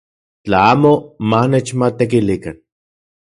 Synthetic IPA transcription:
t͡ɬaaːmomanet͡ʃmat̪ek̬ilikan

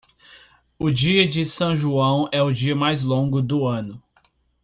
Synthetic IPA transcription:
ʊd͡ʒiɐd͡ʒɪsɐ̃w̃ʒuɐ̃w̃ɛʊd͡ʒiɐmajzlõɡʊd̪ʊɐ̃nʊ

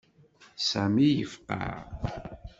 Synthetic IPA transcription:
sæmijəfqɑ̰ʁ

